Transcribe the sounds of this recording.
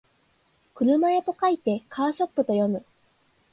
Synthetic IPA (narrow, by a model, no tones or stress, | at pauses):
kɯ̟ɾɯ̟maet̪o̞kait̪e̞kʰaːɕo̞pːɯ̟t̪o̞jo̞mɯ̟